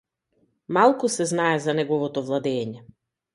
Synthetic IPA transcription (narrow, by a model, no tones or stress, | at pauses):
malˠkusɛznaɛzanɛɡɔvɔt̪ɔvlˠad̪ɛːɲɛ